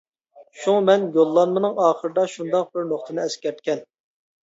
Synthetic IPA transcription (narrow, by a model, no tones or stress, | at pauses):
ʃuŋɑmɛnjolˠːɑnmɨnɨŋɑːχəɾd̪ɑʃund̪ɑq̚bɪɾnoχt̪ʰɨnɨɛskʲɛɾt̪̚kʲɛn